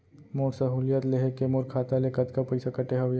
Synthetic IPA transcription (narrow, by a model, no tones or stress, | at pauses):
moːɾsɐɦulijət̪leɦekemoɾkʰaːt̪alekɐt̪kapɐɪsakɐʈeɦɐʋj